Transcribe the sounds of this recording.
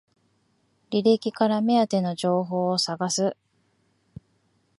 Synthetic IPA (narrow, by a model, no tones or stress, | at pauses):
ɾʲiɾekʲikaɾame̞at̪e̞no̞ʑo̞ːɦo̞ːsaɡasɨ